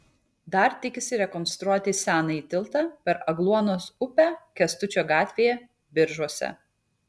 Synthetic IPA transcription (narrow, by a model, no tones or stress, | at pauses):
d̪ɐɾt̪ʲɪkʲɪsʲɪɾʲɛkɔnst̪ɾuɔt̪ʲɪsʲæːnɐiːt̪ʲɪlˠˑt̪ɑːpʲɛɾɐɡlˠuɔnoːsʊpʲæːkʲɛst̪ʊt͡ʃʲoːɡɑːt̪ʲʋʲeːjɛ | bʲɪɾʒuɔsʲɛ̰